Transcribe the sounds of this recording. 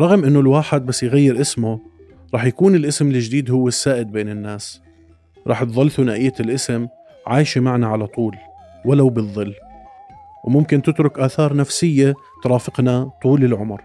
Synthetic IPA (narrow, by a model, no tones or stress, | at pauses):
ɾˤɑɣmʔɪnːʊlwaːħɪd̪̚basːjɣajːɪɾʔɪsmʊ | ɾˤɑːħjakuːnɪlʔɪsmɪlɪʒd̪iːd̪hʊwːesːaːʔɪd̪̚beːnɪnːaːs | ɾˤɑ̰ːħt̪ðˤɑlfunaːʔɪjːalʔɪsɪm | ʕaːjʃimaʕnaʕalat̪ˤuːl | walawbɨðˤːɨlː | wmʊmkɪnt̪ɪt̪ɾʊkʔaːθɑːɾˤnafsɪjːe | t̪ɾˤɑːfɪqnat̪ˤuːlɪlʕʊmɾ